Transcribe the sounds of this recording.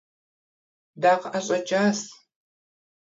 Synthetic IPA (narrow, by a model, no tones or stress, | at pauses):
daːqʔaɕʼɐt͡ʃʼaːs